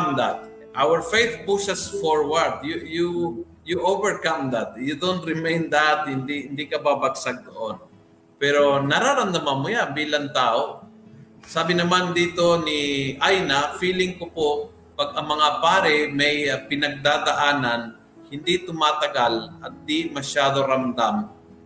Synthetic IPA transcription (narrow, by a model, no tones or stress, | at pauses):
md̪at̪̚ | ʔawəɹfejθ̚pusasfoɹwaɹd̪juju | juʔovɛɹkamd̪at̪̚jud̪ont̪ɾɪmẽjnd̪at̪̚hɪnd̪ihɪnd̪ikɐbabaɡsaɡ̚ɡoʔon | pɛɾo̞nɐɾaɾɐnd̪amanmʊjanbiːlɐŋt̪aːʔo | saːbɪnɐmand̪iːt̪o̞nɪʔajnafiːlɪŋkopo | pɐɡ̚ɐŋmɐŋapaːɾɪmɐjpɪnɐɡ̚d̪aːd̪aʔaːnan | hɪnd̪it̪ʊmaːt̪ɐɡalʔɐt̪̚d̪imɐʃaːd̪oɾamd̪am